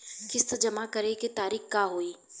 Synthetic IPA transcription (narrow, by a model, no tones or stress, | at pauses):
kɪst̪d͡ʒɐmakɐɾeket̪aːɾiːxkaːɦoːiː